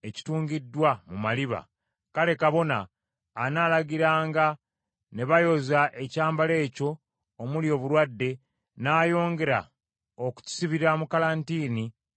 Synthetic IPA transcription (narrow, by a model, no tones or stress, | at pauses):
e̞ci̥tuːŋɟidːwamumaliβa̰ | kale̞kaβo̞na̰ː | naːlaɡiɾaːŋɡa | ne̞βajo̞zaʔe̞caːmbale̞ːco̞ː | muljo̞ːβuɾwadːe̞ | naːjo̞ːŋɡe̞ɾa̰ | oku̥cu̥siβiɾamukalantiːni